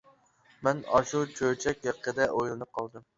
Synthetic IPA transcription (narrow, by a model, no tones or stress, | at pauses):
mɛnɑʃut͡ʃʰøjt͡ʃʰɛkʲɑqʰːəd̪ɛʔojlˠɨnɨp̚qʰɑlˠd̪ɨm